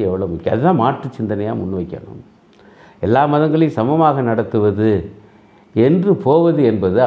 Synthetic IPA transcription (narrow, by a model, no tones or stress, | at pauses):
ɛʋːɐɭɐmʊkːɯɐðɯt̪ãːmaːʈrɯt͡ʃɪnd̪ɐnɐja̰ːmʊnːɯʋɐɪkːɐ̰ɳɯ̰m | ɛlːaːmɐðɐŋɡɐɭɪ̃sɐmɐmaːɣɐnɐɽɐt̪ːɯʋɐðɯ | ɛndrɯpʰoːʋɐðɯɛnbɐðɯ